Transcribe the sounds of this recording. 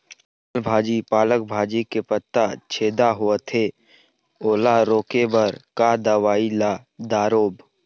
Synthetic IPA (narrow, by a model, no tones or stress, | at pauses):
lbʱaːd͡ʒipaːlək̚bʱaːd͡ʒikepət̪ːat͡ʃʰeːd̪aɦuət̪ʰeː | oːlaɾoːkebəɾkad̪əʋaːila | d̪aːɾoːb